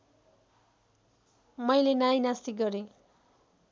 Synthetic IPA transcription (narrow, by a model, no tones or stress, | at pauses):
mʌjlenajnast̪iɡʌɾe